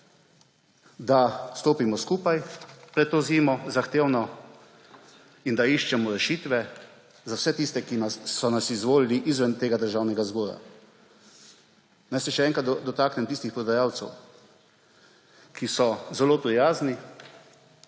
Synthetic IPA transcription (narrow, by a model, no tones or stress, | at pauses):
d̪ast̪oːpimɔskuːpajpɾɛt̪t̪ːoːziːmɔzaxt̪eːwnɔ | ind̪aiʃt͡ʃɛmɔɾɛʃiːt̪ʋɛ | zawsɛt̪iːst̪ɛkinasɔnasizʋoːliliʔizʋɛnt̪eːɡad̪əɾʒaːwnɛɡazɡɔːɾa̰ | najsɛʃɛɛːŋkat̪d̪ɔt̪aːknɛmt̪iːst̪ixpɾɔd̪ajaːwt̪sɛ̰w | kʰisɔzɛloːpɾijaːzni